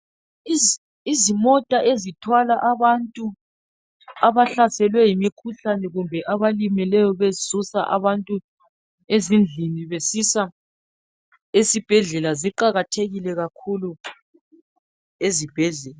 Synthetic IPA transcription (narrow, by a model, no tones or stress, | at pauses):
i | izimɔtʼaʔezitʰwalaʔaβantʼu | aβaɬasɛlwɛjimikʰuɬanɛɣumbʱɛʔaβalimilɛjɔβesusaʔa̰βantʼu | ezind͡ɮʱiniβesisa | esib̥ʱɛɮɛlaziǃaɣatʰeɣilɛɣakʰulu | ezib̥ʱɛɮɛla